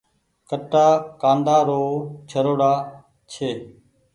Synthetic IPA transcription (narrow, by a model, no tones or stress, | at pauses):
kəʈːaːkãːnd̪aːɾoːt͡ʃʰəɾoːɽaː | t͡ʃʰeː